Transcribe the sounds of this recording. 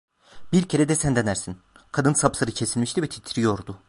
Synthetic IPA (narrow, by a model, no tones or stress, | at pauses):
biɾcʰe̞ɾɛd̪ɛsænd̪enæɾsin | kʰad̪ɯnsaplˠaɾɯcʰesilʲmiʃt̪ivɛt̪ʰi̥t̪ʰiɾijo̞ɾd̪ʊ